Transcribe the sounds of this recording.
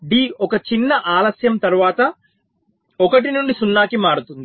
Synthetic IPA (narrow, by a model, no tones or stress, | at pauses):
ɖiːɔkɐt͡ʃinːɐʔaːlɐsjɐmt̪ɐɾuʋaːt̪ɐ | ɔkɐʈinuɳɖisunːaːkimaːɽut̪und̪i